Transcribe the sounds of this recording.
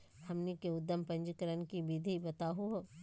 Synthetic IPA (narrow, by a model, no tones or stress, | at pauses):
hɐmnikeʊd̪ːəmpɐ̃ɲd͡ʒkəɾənkibid̪ʱibɐt̪aɦuɦo